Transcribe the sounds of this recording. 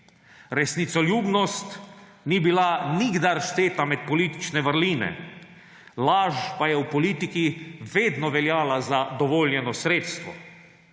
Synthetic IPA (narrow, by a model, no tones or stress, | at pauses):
ɾɛsnit̪sɔljuːbnɔst̪ | nibilaniɡd̪aɾʃt̪eːt̪amɛt̪̚pɔliːt̪i̥t͡ʃnɛʋəɾliːnɛ̰ | laːʒpajɛwpɔliːt̪ikiʋeːd̪nɔʋɛljaːlazad̪ɔʋɔːljɛnɔsɾeːt̪st̪ʋɔ